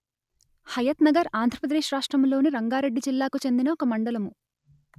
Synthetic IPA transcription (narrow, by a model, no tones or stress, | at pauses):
hɐjɐt̪nɐɡɐɾaːnd̪ʱɾɐpɾɐd̪eːʂɾaːʂʈɾɐmlo̞ːniɾɐŋɡaːɾe̞ɖːit͡ʃilːaːkut͡ʃe̞nd̪inɐɔkɐmɐɳɖɐlɐmu